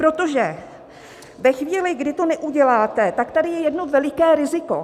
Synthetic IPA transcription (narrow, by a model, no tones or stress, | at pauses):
pɾot̪o̞ʒɛ | vɛxviːlɪɡdɪt̪o̞nɛʔuɟɛlaːt̪ɛt̪akt̪adɪjɛjɛdno̞vɛlɪkɛːɾɪzɪko̞̰